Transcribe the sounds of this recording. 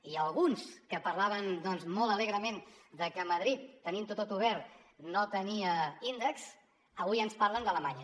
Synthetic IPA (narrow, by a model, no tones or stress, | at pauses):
iəlˠɣunskəpərlaβ̞ənd̪ɔnzmolˠt̪əleɣɾəmend̪əkəməð̞ɾit̪ːənimnt̪ot̪ot̪uβ̞ɛɾt̪ | not̪əniəind̪əks | əβujənspaɾrlənd̪ələmaɲə